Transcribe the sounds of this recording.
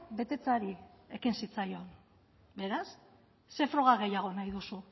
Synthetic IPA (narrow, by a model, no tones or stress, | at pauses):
be̞t̪e̞t͡saɾie̞kinsit͡sajo̞n | be̞ɾasː | e̞fɾo̞ɣ̞aɣe̞jaɣ̞o̞najðusu